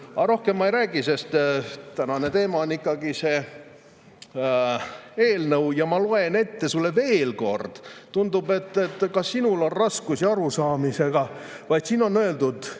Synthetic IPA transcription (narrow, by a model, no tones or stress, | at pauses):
ɑɾo̞hke̞mːɑejɾæːɡise̞st̪t̪ænɑne̞t̪e̞ːmɑonːikːˑɑɡ̥ise̞ː | e̞ːlnɤwjɑmɑlo̞e̞ne̞t̪ːe̞sulːe̞ve̞ːlko̞̰rd̪̥t̪und̪ube̞t̪ːˑet̪ːˑkɑsːinulo̞nrɑskusiɑɾusɑːmise̞ɡ̥ɑ | vɑjd̪̥siːno̞nːoeld̪ud̪̥